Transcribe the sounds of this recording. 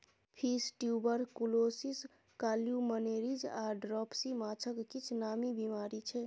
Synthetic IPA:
pʰiːsʈjubəɾkuloːsis | kaːljuməneːɾid͡ʒaːɖɾɔːpsimaːt͡ʃʰəkkit͡ʃʰnaːmibimaːɾit͡ʃʰɛ

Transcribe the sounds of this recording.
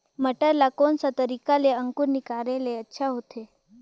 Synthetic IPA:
məʈəɾlakonsat̪əɾikaleəŋkuɾnikaɾjeleətːʃʰaɦot̪ʰe

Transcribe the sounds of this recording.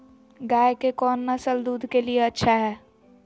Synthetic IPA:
ɡaːekekɔːnːasəld̪uːd̪ʱkelieɐtːʃʰaɦɛː

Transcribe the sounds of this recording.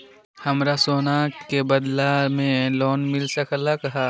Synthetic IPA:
hɐmɾasoːnaːkkebɐd̪lamẽlɔːnmɪlsɐklakɐɦa

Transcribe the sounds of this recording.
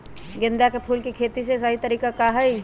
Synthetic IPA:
ɡɪ̃nd̪jakepʰuːlkikʰeːt̪isesɐɦit̪ɐɾiːkakaɦai

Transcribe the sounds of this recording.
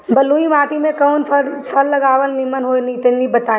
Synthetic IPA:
bɐluːimaːt̪imẽkɐːnfʰɐɾpʰɐɾːɐɡaːʋəlnimənɦonit̪ɐnibɐt̪aː

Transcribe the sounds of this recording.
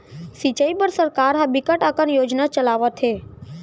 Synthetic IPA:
sit͡ʃəipəɾsəɾkaɾɦãbɪkəʈəkənjoːd͡ʒnat͡ʃəlaːʋət̪ʰɦe

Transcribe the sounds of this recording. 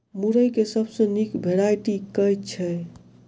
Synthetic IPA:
muɾəjkesəbsə̃nikbʱeɽajʈikəjt̪̚t͡ʃʰɛ

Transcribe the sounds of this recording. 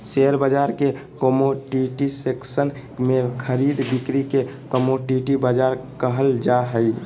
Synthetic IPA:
seɾbəd͡ʒaɾke | komoɖiʈiseksən | mekʰəɾid̪bikɾikekəmoɖiʈibad͡ʒaɾkəɦəld͡ʒaɦəj

